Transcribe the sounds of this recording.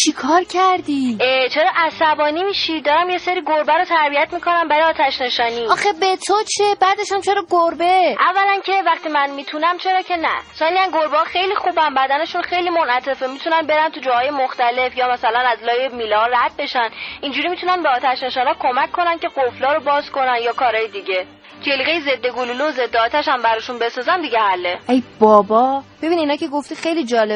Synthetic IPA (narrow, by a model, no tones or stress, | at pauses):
t͡ʃʰikʰɒːɾcʰæɾd̪it͡ʃʰe̞ɾɒːʔæsæbɒːnimiʃid̪ɒːɾæmje̞seɾiːɡoɾbæɾot̪ʰæɾbijæt̪ʰmikʰo̞næmbæɾiɒːt̪ʰæʃne̞ʃɒːniːɒːxebet̪ʰot͡ʃʰebæd̪eʃæmt͡ʃʰe̞ɾɒːɡoɾbeʔævːælæncʰe̞væχt̪ʰiːmænmiːt̪ʰunæmt͡ʃʰe̞ɾɒːcʰe̞næ̰sɒːniænɡoɾbehɒːxe̞jlixuːbænbæd̪æneʃunxe̞jlimonæt̪ʰe̞femit̪ʰunænbe̞ɾænt̪ʰud͡ʒɒːhɒːjemoxt̪æle̞fjɒːmæsælænæzlɒːjemiːlɒɦɒræd̪̚be̞ʃænʔind͡ʒuːɾiːmit̪unænbeɒːt̪ʰæʃneʃænɒːkʰo̞mækʰːo̞nænce̞ɡoflɒːɾo̞bɒːz̥ko̞nænjɒːkʰɒːɾɒːjed̪iɟe̞ | t͡ʃʰe̞liɣejeze̞d̪ːe̞ɡoluloze̞d̪ːeɒːt̪ʰæʃæmbæɾɒːʃunbe̞sɒːzæmd̪iɟehælːeejbɒːbɒb̥e̞biniːnɒːcʰe̞ɡoft̪iːxejlid͡ʒɒːle